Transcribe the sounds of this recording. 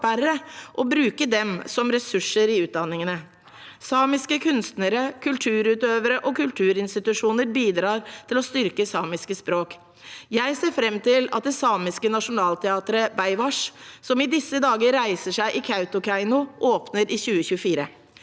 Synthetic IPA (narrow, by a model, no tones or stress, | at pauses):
æɾəʔɔbɾʉːkəd̪ɛmsɔmɾɛsʉʂːəɾɪʉːt̪̚d̪ɑnːɪŋənə | sɑːmɪskəkʰʉnst̪nəɾəkʰʉlt̪ʰʉːɾʉːt̪øːʋəɾəʔɔkʉlt̪ʰʉːɾɪnst̪ɪt̪ʉʂuːnəɾbiːd̪ɾɑːɾt̪ʰɪlɔst̪ʏɾkəsɑːmɪskəspɾoːk | jæɪseːɾfɾɛmːt̪ɪlɑt̪̚d̪ɛsɑːmɪskənɑʂʊnɑːlt̪ʰɛɑːt̪əɾəbæɪʋɑʂsɔmɪd̪ɪsːəd̪ɑːɡəɾːæɪsəʂæɪʔɪkʰɑʉt̪ʊkʰæɪnʊʔoːpnəɾʔɪçʉːəçʉːəfiːɾə